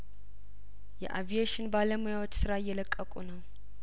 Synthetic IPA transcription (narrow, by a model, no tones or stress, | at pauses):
jɛ̰ʔavijeʃɪnbaləmujawot͡ʃːsɨɾajːɛləkʼːəkʼunəw